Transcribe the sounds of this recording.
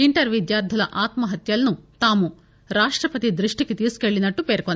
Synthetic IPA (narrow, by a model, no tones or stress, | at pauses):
iɳʈɐɾʋid̪jaːɾd̪ʱɐlɐʔaːt̪mɐɦɐt̪jɐlɐnut̪aːmu | ɾaːʂʈɾɐpɐt̪id̪ɾiʂʈikit̪iːsi̥keɭːinɐʈːupeːɾkon